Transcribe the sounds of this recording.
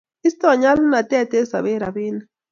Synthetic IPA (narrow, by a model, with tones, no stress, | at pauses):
i˦st̪o˦a˨ɲa˦lʊ˦na˨t̪e˦a˨t̪e˦sa˨βe˦ɾa˨βi˦na